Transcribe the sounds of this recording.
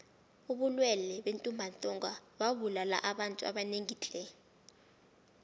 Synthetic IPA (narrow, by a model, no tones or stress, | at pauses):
uɓulwɛlɛɓentʼumbʱantʼɔŋɡawaɓulala̰ʔaɓantʼua̰ɓaneŋiːt͡ɬʼɛ